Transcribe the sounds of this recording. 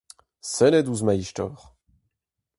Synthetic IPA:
sɛlɛd̪uzmaiʃtɔ̰ːʁ

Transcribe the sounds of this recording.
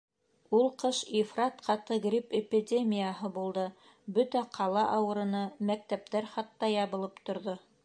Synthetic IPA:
ulˠqɤʃifrɑt̪qɑt̪ɤɡɾʲipepʲɪdʲemʲijəɦɤbulˠd̪ɤ | bɵt̪æqʰɑlˠɑʔɑwɤ̆ɾɤ̆nɤmæk̚t̪æp̚t̪æɾχɑt̪ːɑjɑβɤ̆lˠɤpt̪ŏɾðo

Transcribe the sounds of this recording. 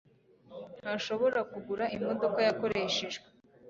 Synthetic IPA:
nhaʃo̞βo̞ɾakuɡuɾaimo̞do̞kajako̞ɾe̞ːʃe̞ʒɡe

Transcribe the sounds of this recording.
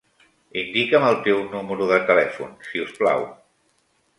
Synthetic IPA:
ind̪ikəməlˠt̪ewnuməɾuðət̪əlɛfṵnsiuspla̰w

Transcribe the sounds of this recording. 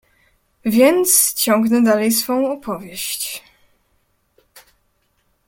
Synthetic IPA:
vʲjɛnt̪st͡ɕɔ̃ŋɡnɛd̪alɛjsfɔ̃w̃upʰɔvʲjeɕt͡ɕ

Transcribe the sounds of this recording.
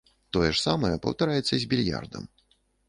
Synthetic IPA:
t̪ɔjɛʂsamɐjɛpɐ̰wt̪aɾajɛt̪sːɐzʲbʲilʲja̰rd̪ɐ̰m

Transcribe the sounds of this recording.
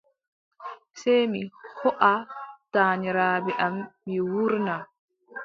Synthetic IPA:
sɛjmihɔʔataːɲiɾaːbɛʔamːiwuɾna

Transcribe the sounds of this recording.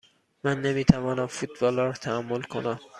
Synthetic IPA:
mænːemiːt̪ʰævɒːnæmfuːt̪̚bɒːlɒːɾɒːt̪ʰæːmːo̞lkʰo̞næm

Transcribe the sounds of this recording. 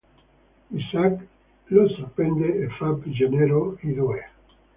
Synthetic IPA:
isak | losuɾpend̪eːfabʒeneɾoiðue

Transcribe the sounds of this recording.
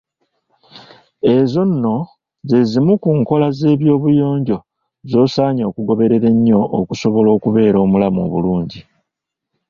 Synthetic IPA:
e̞zo̞nːo̞ | ze̞zimukuŋko̞laze̞ːβjo̞ːβujo̞ːɲɟo̞ | zo̞ːsaːɲo̞ːkuɡo̞βe̞ɾe̞ɾe̞ɲːo̞ʔːkuso̞βo̞lo̞ːkuβe̞ːɾo̞ːmulamo̰ːβuluːɲɟi

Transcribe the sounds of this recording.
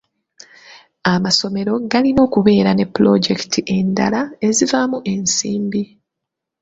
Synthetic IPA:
amaso̞me̞ɾo̞ɡalino̞ːkuβe̞ːɾane̞pːulo̞̰ɟe̞ki̥tʰiʔe̞nda̰lae̞zivamuʔe̞nsiːmbi

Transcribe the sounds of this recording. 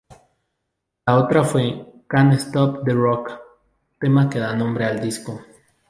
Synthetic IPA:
lao̞t̪ɾafwe̞kanest̪opd̪erok | t̪e̞make̞ðanõ̞mbɾe̞ald̪isko̞

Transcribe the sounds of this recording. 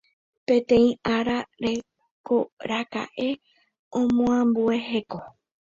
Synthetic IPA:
pẽ̞t̪ẽ̞ĩʔaɾaɾe̞ | ko̞ɾaka̰ʔe̞ | õmõãmbue̞ɦe̞ko

